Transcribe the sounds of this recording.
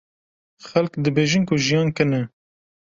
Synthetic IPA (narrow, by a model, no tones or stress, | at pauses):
xɛlkd̪ɨbeːʒinkʰʊʒijɑːnkɨnɛ